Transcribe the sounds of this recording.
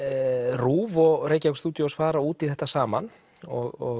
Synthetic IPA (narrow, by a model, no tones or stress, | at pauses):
ruːvɔɣreːjcakst̪uːt̪jɔɔsfaːɾauːt̪iðθɛht̪ːasaːman | ɔɣɔɣ